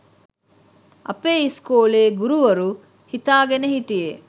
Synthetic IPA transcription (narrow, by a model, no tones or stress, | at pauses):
ɐ̰peːiskoːleːɡuɾuʋɐɾu | hit̪aːɡeneɦiʈije